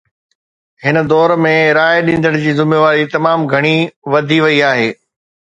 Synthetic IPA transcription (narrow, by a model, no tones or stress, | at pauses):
hɪnə̆d̪ɔːɾmẽɾaːjeɗĩːn̆d̪əɽ̃d͡ʑiːzɪmeʋaːɾit̪ɐmaːmɡʱɐɽ̃iʋɐd̪ʱiʋɐiaːɦeː